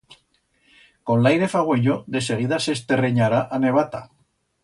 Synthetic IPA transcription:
kõ̞nlajɾe̞faɣweʎoðe̞se̞ɣ̞iðase̞st̪e̞reɲaɾaʔane̞β̞at̪a̰

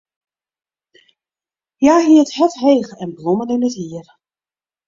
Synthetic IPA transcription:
jaːɦiəthɛtɦeːɣəɛnblɔmənɪnətiər

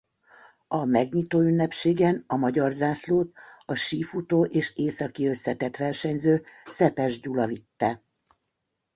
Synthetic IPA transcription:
ɒmɛɡɲit̪oːynːɛpʃeːɡɛnɒmɒɟɒrzaːsloːt̪ɒʃiːfut̪oːʔeːʃeːsɒkiø̞st̪ɛt̪ɛt̪ʋɛrʃɛɲzøːsɛpɛʒɟulɒvit̪ːɛ

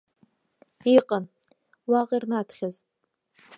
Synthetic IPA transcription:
iqʼən | waqʼirnatʰχʲaz

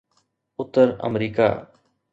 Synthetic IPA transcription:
ʊt̪ːəɾə̰mɾiːka̰ː

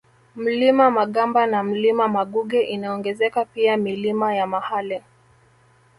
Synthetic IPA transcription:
m̩limamaɠambanam̩limamaɠuɠɛʔinaɔŋɡɛzɛkapiamilimajamahalɛ

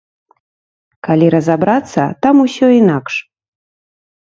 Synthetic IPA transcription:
kalʲiɾɐzabɾat̪sːɐ̰t̪amusʲɔinakʂ

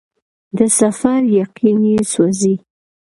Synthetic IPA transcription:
d̪əsafaɾjaqinisazi

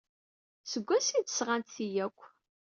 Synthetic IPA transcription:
səɡʷːæsit͡sːə̥sʁant̪θijækʷː

